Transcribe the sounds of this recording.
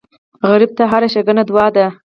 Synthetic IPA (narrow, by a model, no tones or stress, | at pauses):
ɣaɾib̚t̪aɦaɾaʃaɡənad̪wɑd̪a